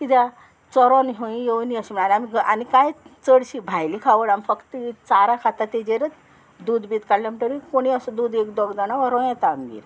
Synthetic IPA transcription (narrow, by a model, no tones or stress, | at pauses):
k̪it̪ʰja | t͡sɔɾɔnɦoĩjeʋniəɕim̤əɳalamiɡanikajt͡səɽɕibʱajlikʰaʋəɽamfəkt̪it͡saɾakʰat̪at̪ed͡ʑeɾət͡s̪ | d̪uːd̪bit̪kaɽlamiʈəɾikoɽ̃iəsəd̪uːd̪ekd̪ɔɡd͡z̪añaʋaɾɔ̃jãt̪amɡḭɾ